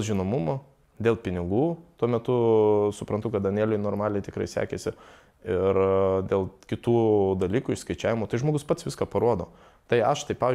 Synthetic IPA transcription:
ʒʲɪnomʊmoː | d̪ʲeːlˠpʲɪnʲɪɡuːt̪uɔmʲɛt̪ʊsʊpɾɐnt̪ʊkɐt̪ɐnʲeːlʲoɪnoːɾmɑːlʲeɪt̪ʲɪkɾɐɪsʲæ̰ːkʲesʲɪ | ɪɾd̪ʲeːlˠkʲɪt̪uːd̪ɐlʲiːkuːɪʃskɐɪt͡ʃʲæːʋʲɪmoːt̪ɐɪʒmoːɡʊspɐt̪sʋʲɪskaːpɐɾuɔd̪oː | t̪ɐɪɐʃt̪ɐɪpɑːʋʲɪ

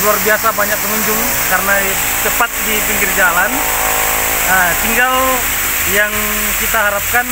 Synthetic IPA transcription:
luarbiasabaɲak̚t̪əŋuɲd͡ʒʊŋ | kaɾəna | t͡ʃəpat̪̚dipiŋɡɪrd͡ʒalan | ət̪iŋɡal | jaŋ | kit̪aɦaɾap̚kan

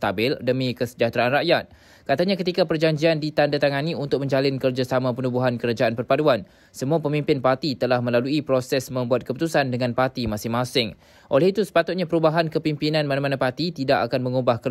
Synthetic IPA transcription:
t̪abɪldəmĩkəsə̥d͡ʒat̪ɾaʔanraʔjat̪̚ | kat̪aɲakət̪ikapərd͡ʒaɲd͡ʒiandit̪andat̪aŋaniunt̪ʊk̚mə̃ɲd͡ʒalɪnkərd͡ʒasamãpənubuɦankəɾad͡ʒaʔanpərpaduan | səmuapəmĩmpɪnpart̪it̪əlahmə̃laluipɾosɛsmə̃mbuat̪̚kəput̪usandəŋãnpart̪imasɪŋmãsɪŋ | ʔolɛɦit̪usə̥pat̪ʊt̪̚ɲãpəɾubaɦankəpimpinãnmanamanãpart̪it̪idaʔakanmə̃ŋubahkə

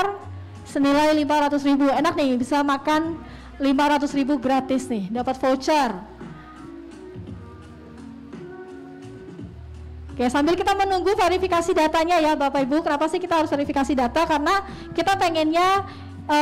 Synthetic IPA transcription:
r | sənilajlimpaɾat̪ʊsɾibuenak̚nɪhbisamakan | limpaɾat̪ʊsribuɡɾat̪ɪsnɪhdapat̪̚fot͡ʃər | okesambɪlkit̪amənuŋɡufeɾifikasidat̪aɲajabapaibukənapasɪhkit̪aɦaɾʊsfeɾifikasidat̪akarəna | kit̪apeŋɛnɲa | ə

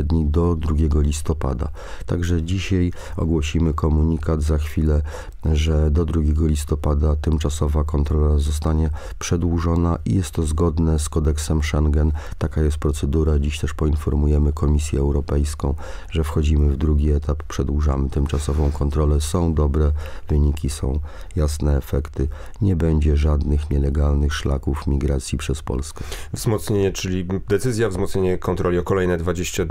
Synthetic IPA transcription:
d̪ɲid̪ɔd̪ɾuɡʲɛɡɔlʲist̪ɔpa̰d̪a̰ | t̪aɡʐɛd͡ʑiɕaj | ɔ̰ɡwɔɕimɘkɔmuɲikad̪zaxfʲilɛ | ʐɛd̪ɔd̪ɾuɡʲjɛɡɔlʲist̪ɔpad̪at̪ɘmt͡ʂasɔvakɔnt̪ɾɔlazɔs̬t̪aɲɛ | pʂɛd̪wuʐɔnaʔḭjɛst̪ːɔzɡɔd̪nɛskɔd̪ɛksɛmʂɛŋɡɛnt̪akajɛst̪̚pɾɔt̪sɛd̪uɾad͡ʑiɕt̪ɛʂpɔinfɔɾmujɛmɘkʰɔmʲisʲjɛːwɾɔpɛjskɔ̃w̃ʐɛfxɔd͡ʑimɘvd̪ɾuɡʲiɛt̪appʂɛd̪wuʐamɘt̪ɘmt͡ʂasɔvɔ̃w̃kɔnt̪ɾɔlɛsɔ̃w̃d̪ɔbɾɛvɘɲikʲisɔ̰̃w̃jasnɛːfɛkt̪ɘ | ɲɛbɛɲd͡ʑɛʐad̪nɘxɲɛlɛɡalnɘxʂla̰kufmʲiɡɾat̪sʲjipʂɛspɔ̰lskɛvzmɔt̪sɲeɲɛt͡ʂɘlʲid̪ɛt̪sɘzʲjavzmɔt̪sɲeɲɛkʰɔnt̪ɾɔlʲiɔkɔlɛjnɛd̪vad͡ʑeɕt͡ɕa

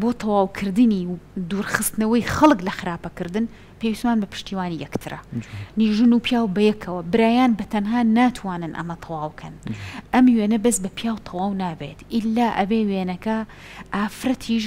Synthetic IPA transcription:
boːt̪ʰɑwaːwkʰɨɾd̪ɨniːd̪uːɾxɨst̪ɨnɐwɐjxɐlˠklɐxɨɾaːpɐkɨɾd̪ɨn | pʰewist̪maːnbɐpʰɨ̥ʃt̪iːwaːnijɛkt̪ʰɨɾɐ̰niːʒɨnuːpʰjaːwbɐjɛkʰɐwɐbɨɾaːjaːnbɐt̪ʰɐnɦaːnaːt̪ʰwaːnɨnʔɐ̰mɐt̪ʰɑwaːwkʰɐnʔɐmjweːnɐbɐsbɐpʰijaːwt̪ʰɑwaːwnaːbet̪ʔɪlːaːʔɐbeːweːnɐkɐ | ʔaːfɾɐt̪ʰiʃ̬

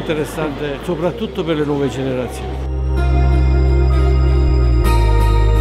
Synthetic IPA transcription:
nt̪eɾesːant̪esopɾat̪ːut̪ːoperlenwɔːved͡ʒeneɾat̪sːjo̰ːnni

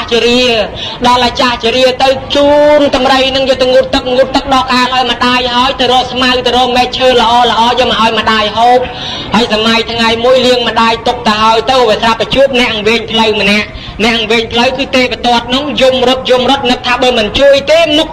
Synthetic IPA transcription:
ht͡ɕiəɾiəɗɑlʔat͡ɕaːht͡ɕiəɾiət̪ɨwt͡ɕuːnt̪ɑmrəjnɨŋjəːt̪ɨwŋut̪ːɨk̚ŋut̪t̪ːɨk̚ɗɑkaːlʔaɔjməɗaːjɦaəjt̪ɨwɾɔːhsmawt̪ɨwɾɔːhmɛːt̪̚t͡ɕʰəːlə̆ʔɑːlə̆ʔɑːjəːməʔaɔjməɗaːjɦoːp̚ | haəjsamajt̪ʰŋajmuəjliəŋməɗaːjt̪ʊk̚t̪əɦaəjt̪ɨwʋiəsrapːat͡ɕuəp̚nɛ̆əʔŋʋeːɲpʰləwmənɛ̆əʔ | nɛ̆əʔŋʋeːɲpʰləwkɨːt̪eːpet̪oət̪̚nɨŋjumrŏt̪̚jumrŏət̪̚nɨk̚t̪ʰaːɓəːlmɨnt͡ɕuəjt̪eːnuk̚

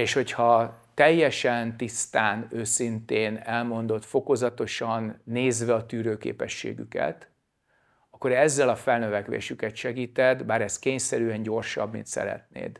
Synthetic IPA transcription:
eːʃho̞chɒt̪ɛjːɛʃɛnt̪ist̪aːnøːsint̪eːnɛlmo̞nd̪o̞t̪fo̞ko̞zɒt̪o̞ʃɒnːeːzʋɛɒt̪yːɾøːkḛːpɛʃːḛːɡy̰kɛ̰t̪ | ɒkːo̞ɾɛzːɛlɒfɛlnø̞vɛkʋḛːʃykɛt̪ʃɛɡiːt̪ɛd̪baːɾɛskeːɲsɛɾyɛnɟo̞rʃɒ̰bmḭnt̪sɛ̰ɾɛ̰t̪nḛːd̪

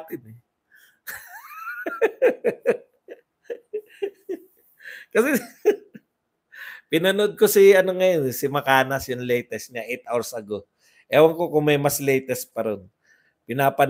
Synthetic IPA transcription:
t̪ɪnɛ | kɐsɛ | pɪnɐnod̪̚kosiɐnoŋɐjonɛsɪmɐkaːnɐsjʊŋlɛjt̪ɛstɲaʔejt̪̚ʔawɹsɐɡo | ʔɛːwɐŋkokʊŋmɐjmɐslɛjt̪ɛs̚pɐɾon | pɪnaːpɐn

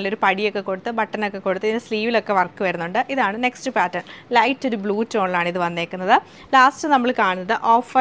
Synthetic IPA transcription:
lːoɾupɐɽijo̞kːe̞ko̞ɽut̪ːɨbɐʈːɐnokːe̞kːo̞ɽut̪ːɐðinesliːʋilo̞kːe̞ʋɐrkːɨʋɐɾunːuɳɖɨʔiðaːɳɨne̞kstɨpaːtːɐrɳlɐjtːo̞ɾubɭuːtːo̞ːɳɭaːɳɨiðɨʋɐnːe̞ːkːunːɐðɨ | laːstɨnɐmːɐɭkaːɳunːɐðɨʔoːfɐ

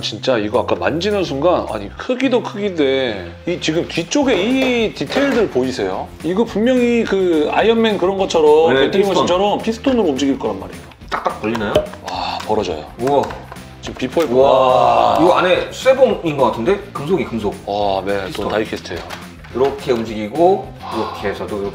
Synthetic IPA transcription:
t͡ɕint͡ɕ͈aiɡʌak͈amand͡ʑinɯns̬ʰuŋɡana̰ɲikʰɯɡidokʰɯɡide | it͡ɕiɡɯmtit͡ɕ͈oɡe̞ititʰeiɭdɯɭpoisʰe̞joiɡʌpummjʌŋikɯa̰jʌnmenkɯɾʌnɡʌt͡ɕʰʌɾʌmet͈eiɡʌt͡ɕʰʌɾʌmpʰisʰɯ̥tʰonɯɾoːmd͡ʑiɡiɭk͈ʌɾanma̰ɾijot͈ak̚t͈ak̚pʌʎːinajoapʌɾʌd͡ʑʌ̰jo̰ʌ | t͡ɕimpipʰʌi | iɡʌane̞sʰueboŋinɡʌk͈atʰɯnde̞kɯmsʰoɡikɯmsʰok̚ʌne̞t͈otaikʰesʰtʰḛjo | iɾʌkʰe̞umd͡ʑiɡiɡo | iɾʌkʰet͡ɕʌdo

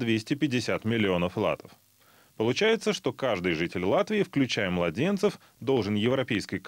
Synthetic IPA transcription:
d̪vʲesʲtʲɪpʲɪdʲːɪsʲat̪mʲɪlʲɪo̞nəflˠa̰t̪ə̥f | pəlˠʊt͡ɕæjɪt̪səʂt̪o̞kaʐd̪ɨjʐɨtʲɪlʲlˠat̪vʲɪɪfklʲʉt͡ɕæjəmlˠɐdʲe̞nt̪səf | d̪o̞lˠʐɨnjɪvɾɐpʲejskəjk

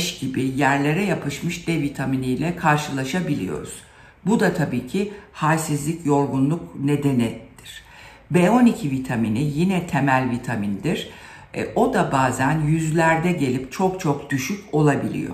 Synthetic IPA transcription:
ʃɟibɪjæɾlʲe̞ɾɛjapʰɯʃmɯʃd̪̥ɛvit̪ʰaminijlʲɛkʰaɾʃɯlˠaʃabilʲḭjo̞̰ɾṵz̥ | bud̪at̪ʰabiːcʰihajsizlʲicjo̞ɾɡunlˠukne̞d̪e̞nɛd̪̥iɾ̥ | beo̞nicʰivit̪ʰaminijinɛt̪ʰe̞mælʲvit̪ʰamind̪iɾ̥̰ | o̞d̪abaːzænjyzlʲæɾd̪ɛɟe̞lʲip̚t͡ʃʰo̞kt͡ʃʰok̚d̪̥yʃycʲo̞lˠabilʲḭjo̞̰

